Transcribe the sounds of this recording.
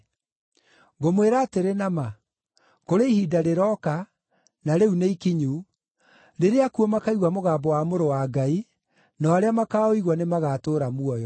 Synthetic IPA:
ɡomweɾaːteɾenama | koɾeihiːdaɾeɾɔka | naɾeuneikiɲu | ɾeɾeakuɔmakaiɣwamoɣaːbɔwamoɾowaɡai | naaɾeamakaoiɣwɔnemaɣatoːɾamuɔjɔ

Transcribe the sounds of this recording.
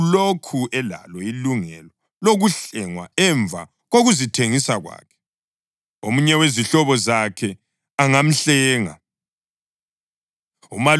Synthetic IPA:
lokʰuʔɛla̰lɔiluŋɛ̰lɔ | loɣuɬɛŋwa̰ɛɱvʱa̰ | ɣoɣuzitʰeŋisaɣwa̰ːkʰɛ̥ | omuɲɛweziɬɔβɔzakʰɛ | aŋam̩ɬɛːŋa̰ | umal

